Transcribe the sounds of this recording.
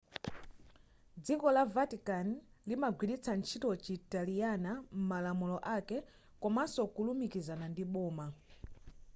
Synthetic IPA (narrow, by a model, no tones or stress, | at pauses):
d͡zikɔlavatikanlimaɡwiɗit͡sʰant͡ʃʰitɔt͡ʃitalijanam̩malamulɔʔakɛ | kɔmasɔkulumikizanandiɓɔːma